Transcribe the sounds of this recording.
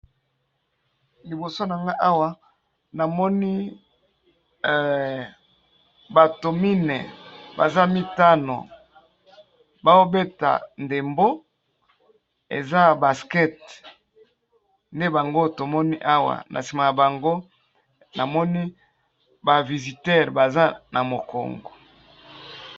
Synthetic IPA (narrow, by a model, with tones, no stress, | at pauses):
li˨bo˨so˦na˨ŋɡa˦ʔa˦wa˦ | na˨mɔ˦ni˦˨ | ba˨to˨mi˦nḛ˨ba̰˨za˦mi˦ta˦no̰˨ | ba˦o˦be˦ta̰˨nde˨mbo˦ | ḛ˨za˦ba˨skɛ˦t | nde˦ba˨ŋɡo˦to˨mɔ˦ni˦ʔa˦wa̰˨nʔa̰˨si˨ma˨ja˨ba˨ŋɡo˦ | na˨mɔ˦ni˦ | ba˨vi˨zi˨tɛ˦˨ʁba˨za˦nʔa˨mo˨ko̰˨ŋɡo̰˨